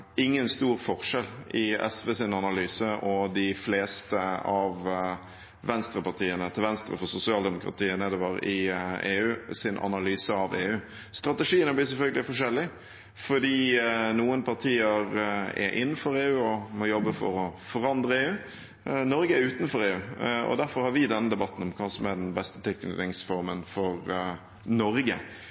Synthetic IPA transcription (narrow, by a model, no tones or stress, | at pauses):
ɪŋːənst̪uːɾfɔʁʂɛlɪɛ̰sʋeːsɪnɑnɑlyːsəʔɔd̪ɪfleːst̪əɑʋ | ʋɛnst̪ɾəpɑʁt̪ʰiːənət̪ʰɪlʋɛnst̪ɾə̰fɔsʊsɪɑːld̪ɛmʊkɾɑ̰t̪ʰiːənəd̪ɛʋɑɾɪeːʉːsɪnʔɑ̰nɑlyːsəɑʋeːʉː | st̪ɾɑt̪ɛʂiːənəblɪsɛlfœlɡəlɪfɔʂɛlːɪ | fɔd̪iːnuːənpʰɑʁt̪ʰiːəɾɛ̰ɾʔɪnːən̩fɔɾeːʉːɔmɔjɔbːəfɔ̰ɾɔfɔɾɑnd̪ɾəeːʉː | nɔɾɡəɛʉːt̪n̩fɔɾeːʉːɔ̰d̪æɾfɔɾhɑɾʋɪd̪ɛnːəd̪ɛbɑt̪n̩ɔmkʰɑːsɔmæɖ̪ɛnbɛst̪ət̪ʰɪlkn̰ːd̪ɪŋsfɔɾmənfɔɾ | nɔɾɡə̰